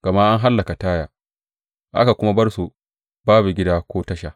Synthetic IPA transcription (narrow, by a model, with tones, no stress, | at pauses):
ɡ̥ɐ˨ma˦ʔa˦ŋɦa˦lːɐ˨ka˨taː˦jaː˨ | ʔa̰˦ka˨kʷʊ˦ma˦bɐ˦rsu˨ | baː˦bu˨ɡʲɪ˦daː˦kʷoː˦tɐ˦ʃa˨